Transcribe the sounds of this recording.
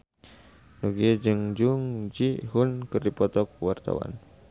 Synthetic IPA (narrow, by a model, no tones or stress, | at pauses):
nuɡied͡ʒɨŋd͡ʒuŋd͡ʒiɦunkɨrdipɔt̪ɔkwart̪a̰wa̰n